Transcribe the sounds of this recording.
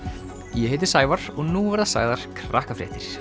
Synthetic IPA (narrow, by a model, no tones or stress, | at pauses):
jɛɦeːt̪̬ɪ̥saːjvaɾ̥ɔɣnuːvaɾðasa̰ːɣðaɾ̥kʰɾahkafɾɛ̰ːht̪ɪɾ̥